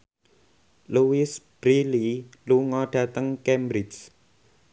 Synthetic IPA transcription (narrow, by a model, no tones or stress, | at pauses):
luwɪsb̥ɾililuŋɔɖ̥ä̤t̪əŋkɛmbɾɪd͡ʒ